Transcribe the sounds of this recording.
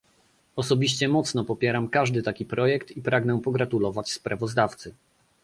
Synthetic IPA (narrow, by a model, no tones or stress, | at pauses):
ɔsɔbʲiɕt͡ɕɛmɔt̪snɔpɔpʲjɛɾamkaʐd̪ɘt̪akʲipɾɔjɛkt̪ipɾaɡnɛpɔɡɾat̪ulɔvat͡ɕspɾavɔzd̪aft̪sɘ